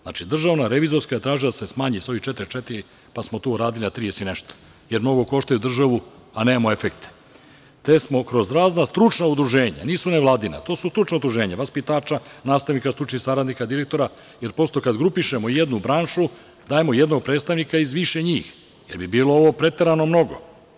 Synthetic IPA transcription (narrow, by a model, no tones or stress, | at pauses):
zna̰ːt͡ʃid̪r̩ʒaʋnaɾe̞ʋizo̞ɾskajet̪ɾaːʒilad̪asesmaːɲiso̞it͡ʃet̪iɾit͡ʃet̪iɾi | pasmot̪oːɾaːd̪ilinat̪ɾijesineʃt̪o̥ | jeɾmno̞ɡo̞ko̞ʃt̪ajud̪r̩ʒaʋu | aneːmamoe̞fekt̪e̥ | t̪esmo̞kɾo̞zɾaːznast̪ɾut͡ʃnaud̪ɾuʒeːɲa̰niːsuneʋlˠaːd̪ina̰t̪oːsust̪ɾut͡ʃnaud̪ɾuʒe̞ːɲaʋaspit̪aːt͡ʃanaːst̪aʋnikast̪ɾut͡ʃnixsaɾad̪nikad̪iɾek̚t̪o̞ɾa | je̞ɾpo̞st̪o̞kad̪ɡɾupiʃemo̞jed̪nubɾaːnʃu | d̪aːje̞mojed̪no̞ɡ̚pɾet̪st̪aʋnikaizʋiʃeɲiːx | je̞ɾbibiːlˠooʋo̞pɾe̞t̪e̞ɾano̞mno̞ɡo